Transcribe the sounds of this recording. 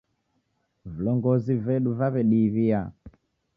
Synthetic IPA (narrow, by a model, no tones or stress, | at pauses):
vulɔŋɡɔzivɛɗuvaβɛɗiβia